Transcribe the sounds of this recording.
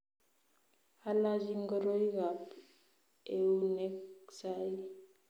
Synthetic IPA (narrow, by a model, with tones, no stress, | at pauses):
a˦la˦d͡ʒi˦ŋɡɔ˦ɾo˦i˦ɣa˨p | e˨u˦ne˦ksa˦i˦